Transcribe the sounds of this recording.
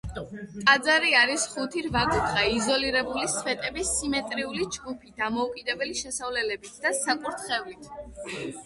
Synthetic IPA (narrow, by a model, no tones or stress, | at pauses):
t̪ʼad̪zaɾiaɾisχut̪ʰiɾvaɡut̪ʰχaizɔliɾɛbulisvɛt̪ʼɛbisimɛt̪ʼɾiulid͡ʒɡupʰid̪amɔukʼid̪ɛbɛliʃɛsavlɛlɛbit̪ʰd̪asakʼuɾt̪ʰχɛvlit̪ʰ